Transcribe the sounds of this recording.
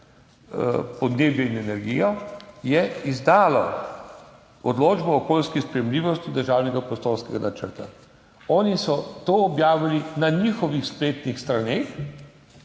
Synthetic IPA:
pɔd̪neːbjɛinɛnɛɾɡḭjɔjɛizd̪aːlɔ̰ | ɔd̪loːd͡ʒbɔːkoːlskispɾɛjɛmliːʋɔst̪id̪əɾʒaːwnɛɡapɾɔst̪oːɾskɛɡanat͡ʃə̰ɾt̪a̰ | ɔːnisɔt̪oːbjaːʋilinaɲixɔʋixspleːt̪nixst̪ɾaneːx

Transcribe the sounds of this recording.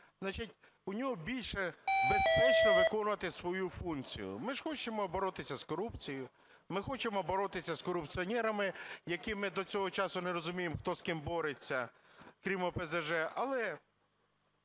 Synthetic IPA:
znat͡ʃitʲ | ʊnʲɔɦɔbʲilʲʃɛbespɛt͡ʃnɔʋɪkɔnʊʋɐt̪ɪsʋɔjufunt͡sʲḭjʊ̰mɪʐ̥xɔt͡ʃemɔbɔɾɔt̪ɪsʲɐskɔɾupt͡sʲijʊ | mɪxɔt͡ʃemɔbɔɾɔt̪ɪsʲɐskɔɾʊpt͡sʲiɔnʲɛɾɐmɪjɐkimɪd̪ɔt͡sʲɔɦɔt͡ʃɑsʊneɾɔzʊmʲijemxt̪ɔskɪmbɔɾet͡sʲːɐkɾʲimɔpezɐʒɛʔɐlˠɛ

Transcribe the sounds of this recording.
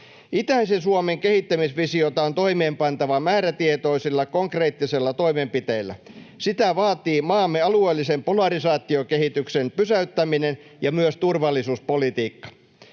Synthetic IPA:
it̪æisensuomeŋkehit̪ːæmisʋisiot̪ɑont̪o̞imeːmpɑnt̪ɑʋɑmæːɾæt̪iet̪o̞isilːɑkoŋkre̞ːt̪ːiselːɑt̪oimempit̪eilːˑæ̰ | sit̪æʋɑːt̪iːmɑːmːeɑlueːlːisempolɑrisɑːt̪ːiokehit̪yksenpysæyt̪ːæminen | jɑmyøst̪urʋɑlːisuːspolit̪iːkːɑ̥

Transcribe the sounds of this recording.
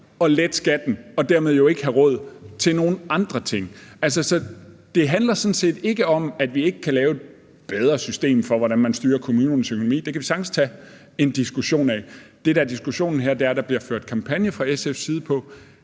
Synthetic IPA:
ɒ̽led̥sɡ̥æd̥n̩ɒ̽d̥æɐ̰með̞ˠjoe̝ɡ̥əɦæʁɔ̽ð̞̰ˠt͡sʰe̝lno̝ːn̩ɑ̈nd̥ʁɐt͡sʰe̝ŋ̰ælsɐsɒ̽d̥e̝ɦænlɐsɒ̽nse̝̰ːd̥e̝ɡ̥əɒ̽mæd̥ʋie̝ɡ̥əkʰælɛːʊe̝d̥̚ | b̥eð̞ˠʁɐsysd̥e̝̰ːmfɒ̽ʋɒɾænmænsd̥yːɐkʰo̝muːnn̩søkʰo̝no̝mḭːd̥ekʰæʋisɑ̈ɡ̥st͡sʰæ | e̝nd̥isɡ̥uɕo̝̰ːnɛd̥e̝ɾ̥æɐd̥isɡ̥uɕo̝̰ːnn̩ɦeɐ̰d̥e̝æɐ̥ɑ̈b̥liɐ̰føɐ̰d̥̚kʰɑ̈mpʰænjəfʁɑ̈esefsiːð̞̩ˠpʰɒ̽

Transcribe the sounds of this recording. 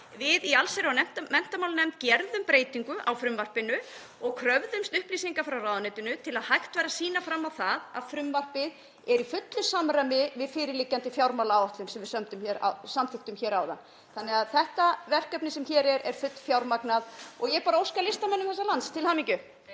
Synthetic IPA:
vɪðialseɾaanɛm̥t̪mɛm̥t̪amawlnɛmt̪̚cɛɾðʏmpɾeːjt̪iŋkʏʔawfɾʏmvar̥pɪnʏ | ɔɣkʰɾœvðʏmst̪ʏhpliːsiŋkafɾawrawðanet̪ʏnʏt̪ʰɪlaðhajht̪vajɾasiːnafɾamːawθaða̰ðfɾʏmvar̥pɪð | ɛɾifʏt̪lʏsamɾamɪvɪðfɪːɾɪɾlicːant̪ɪfjawɾmawlawɔht̪lʏmsɛmvɪðsœmt̪ʏmçɛɾa̰samθɪht̪ʏmçɛːɾaːwða̰n | θanɪɣaðθɛht̪avɛr̥kœpnɪsɛmçɛːɾɛɾɛ̰ɾ̥fʏt̪l̥fjawɾmaknaðɔɣjɛpaːɾaowskalɪst̪amœnːʏmθɛsːalanst̪ʰɪlhaːmiŋcʏ

